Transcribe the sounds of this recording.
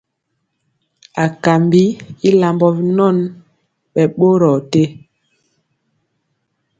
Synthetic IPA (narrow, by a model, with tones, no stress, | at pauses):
a˨ka˨mbi˦i˦la˨mbɔ˨vi˦nɔ˦˨n | ɓɛ˨ɓo˦ɾɔ˨te˦